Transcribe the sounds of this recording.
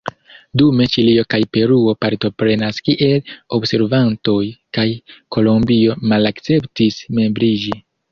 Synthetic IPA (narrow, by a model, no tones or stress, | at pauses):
dume̞t͡ʃilio̞kajpe̞ɾuo̞paɾtopɾe̞naskiʔe̞lo̞bse̞ɾvanto̞jkajko̞lo̞mbio̞malakt͡se̞ptisme̞mbɾid͡ʒi